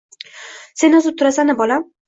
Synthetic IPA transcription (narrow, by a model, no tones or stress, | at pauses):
se̞nɪzʊt̪ʰːʊɾasanɪbɒla